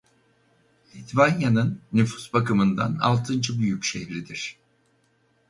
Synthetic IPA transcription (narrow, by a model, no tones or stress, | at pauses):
it̪banjanɯnːyfu̥sbakɯmɯnd̪a̰na̰lˠt̪ʰɯnd͡ʒɯbyjycʃehɾid̪iɾ̥